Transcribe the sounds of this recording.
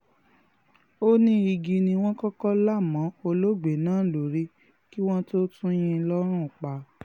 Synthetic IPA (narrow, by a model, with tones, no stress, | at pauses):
o˦nĩ˦i˧ɡi˧nĩ˧w̃ɔ̃˦kɔ˦kɔ˦la˦˨mã˨˦o˧lo˦ɡ͡be˨nãː˨˦˨lo˨˦ɾi˦ | ki˦w̃ɔ̃˦to˦tũ˦j̃ĩ˧lɔ˦ɾ̃ũ˦˨k͡pa˨˦